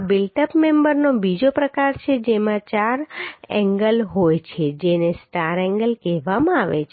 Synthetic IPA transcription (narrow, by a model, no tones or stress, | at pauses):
bilʈəpmɛ̃mbəɾnobid͡ʒopɾəkaɾt͡ʃʰed͡ʒemãt͡ʃaɾɛ̰̃ŋɡəlɦojt͡ʃʰed͡ʒenesʈaɾɛ̃ŋɡəlkeʋamãaʋḛt͡ʃʰ